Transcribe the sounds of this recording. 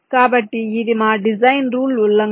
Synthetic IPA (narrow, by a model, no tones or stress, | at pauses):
kaːbɐʈːiɪðɪmaːɖɪzɐɪnɾuːlʊlːɐŋ